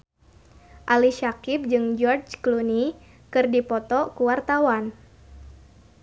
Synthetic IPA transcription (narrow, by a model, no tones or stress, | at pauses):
ʔaliʃakip̚d͡ʒɨŋd͡ʒɔrd͡ʒkluni | kɨrdipɔt̪ɔkuwart̪awan